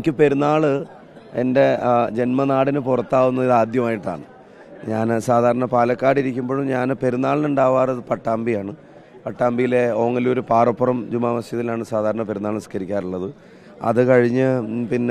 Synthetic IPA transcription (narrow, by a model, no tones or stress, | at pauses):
kʲːɨpe̞ɾunːaːɭɨ | e̞nde̞d͡ʑe̞nmɐnaːɽinɨpurɐt̪ːaːʋunːɐiðaːd̪jɐmaːjiʈːa̰ːɳɨ | ɲaːnsaːd̪ʱaːɾɐɳɐpaːlɐkːaːɽiɾikʲːumboɻumɲaːnpe̞ɾunːaːɭinuɳɖaːʋaːrɐðɨpɐʈːaːmbijaːɳɨ | pɐʈːaːmbijileo̞ːŋːɐlo̞ɾupaːrɐpːɐrɐmd͡ʑumaːmɐsjɐt̪ðilaːɳɨsaːd̪ʱaːɾɐɳɐpe̞ɾunːaːɭskɐɾikʲːaːɾuɭːɐðɨ | ɐ̰ðɨkɐɻiɲːɨpinː